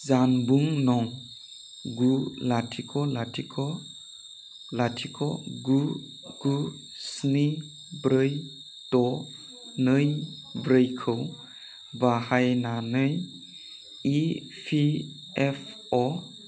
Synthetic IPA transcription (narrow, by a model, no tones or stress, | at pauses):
zanbuŋnɔŋ | ɡulatʰikʰɔlatʰikʰɔ | latʰikʰɔ̰ɡu | ɡ̥u | sni | bɾɯj | tɔ | nɯj | bɾɯjkʰɯw | bahajnanɯj | i | pʰi | epʰ | ɔ